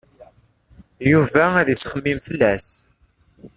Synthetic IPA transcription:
juvææðisχəmːimfəlːæs

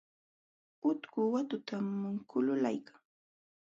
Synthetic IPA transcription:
ʊt̪kʊwat̪ʊt̪amːʊŋkʊlʊla̰jkḁŋ

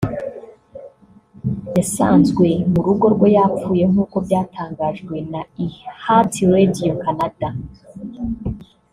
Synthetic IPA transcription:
jasaːnzɡwe̞muɾuɡo̞ɾɡwo̞jaːp͡fuːje̞ŋ̥uːko̞bɟaːtʰaːŋɡaʒɡwe̞naihatiɾedijokanad̥a

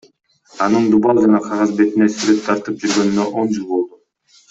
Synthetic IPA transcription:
ɑnɯnd̪ubɑlˠd͡ʒɑnɑqʰɑʁɑzbe̞t̪ine̞syɾe̞t̪ʰːɑɾt̪ɯp̚d͡ʒyɾɡø̞nynøʔo̞nd͡ʒɯlˠbo̞lˠd̪u

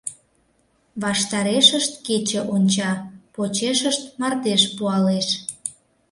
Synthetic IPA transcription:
βɑʃt̪ɑɾeʃəʃt̪ket͡ɕə̆ʔonʲt͡ɕɑpot͡ɕeʃəʃt̪̚mɑrt̪eʃpuɑleʃ

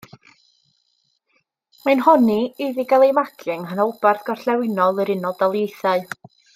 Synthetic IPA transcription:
manhɔnieðiɡalˠejmaɡɨŋɦanɔbarθɡ̥ɔr̥ɬɛwɪnɔlˠəɾɪnɔdalˠjejθaɨ

